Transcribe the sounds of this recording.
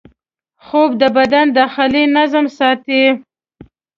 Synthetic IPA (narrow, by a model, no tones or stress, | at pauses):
xobd̪əbad̪and̪ɑxɪlinazəmsɑt̪i